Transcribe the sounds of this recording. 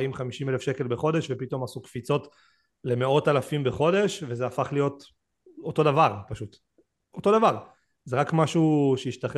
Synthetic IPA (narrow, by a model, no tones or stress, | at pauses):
imχamiʃimelefʃeke̞lbeχo̞de̞ʃve̞pito̞masukfit͡so̞t | le̞me̞o̞talafimbe̞χo̞de̞ʃvezeafaχlijo̞t | oto̞davaʁpaʃut | o̞to̞davaʁ | zeʁakmaʃuʃejiʃtaχ